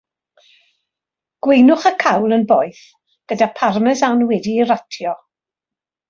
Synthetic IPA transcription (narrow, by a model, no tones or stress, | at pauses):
ɡ̥wejnʊχakʰawlˠənbɔːɨθ | ɡ̥ədapʰarmɛzanwɛdiːratʰjɔ